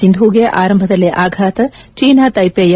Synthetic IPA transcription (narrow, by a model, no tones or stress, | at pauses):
ind̪ʱuːɡeʔaːɾɐmbʱɐd̪ɐlːiʔaːɡʱaːt̪ɐt͡ʃiːnaːt̪ɐjpeːjɐ